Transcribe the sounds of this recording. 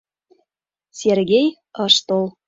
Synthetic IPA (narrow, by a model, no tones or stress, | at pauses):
sʲerɡʲej | ɑʃt̪olˠ